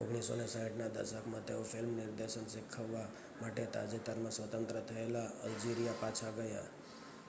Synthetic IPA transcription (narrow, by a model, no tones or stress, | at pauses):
o̰ɡɽiso̰nesaiʈnad̪ə̰ɾʃəkʰmãt̪eofʰɪlmnɪɾd̪eʃənsɪkʰːəʋːa | maʈet̪a̰d͡ʒet̪əɾmãsʋət̪ə̃nt̪ɾət̪ʰəelaəld͡ʒiɾijapat͡ʃʰaɡəja̰